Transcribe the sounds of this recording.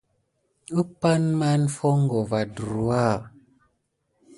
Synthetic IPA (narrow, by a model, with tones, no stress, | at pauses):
u˦pa˦nma˦nfo˦ŋ˦ɡo˨va˨du˨a˦˨